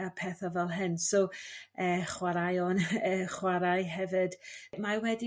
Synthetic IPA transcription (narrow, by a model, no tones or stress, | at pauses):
apʰɛːθɔvɛlˠɦɨnsɔəːχwaɾajɔnəχwaɾajɦɛvɨd̥mawɛdi